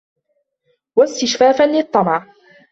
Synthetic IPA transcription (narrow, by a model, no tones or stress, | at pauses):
wast̪ɪʃfaːfanlɪt̪ˤːɑmɑʕ